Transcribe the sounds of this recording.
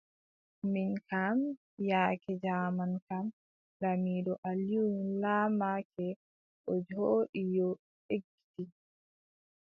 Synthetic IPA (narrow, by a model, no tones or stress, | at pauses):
minkam | jaːkɛd͡ʒaːmankam | ɗamiːɗɔʔalunlaːmakʰɛ | ʔɔd͡ʒoːɗijɔ | ʔeɡːi̥ti